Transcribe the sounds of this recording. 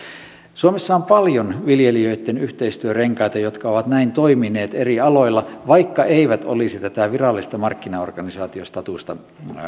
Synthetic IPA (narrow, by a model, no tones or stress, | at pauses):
suomesːɑompɑljonʋiljeliøit̪ːenyht̪eist̪yøreŋkɑjt̪ɑjot̪kɑoʋɑt̪næint̪o̞imineːt̪eriɑlo̞ilːɑʋɑikːɑʔeiʋæt̪o̰lisit̪æt̪æʋirɑlːist̪ɑmɑrkːinɑo̰rɡ̥ɑnisɑːt̪iost̪ɑt̪ust̪ɑ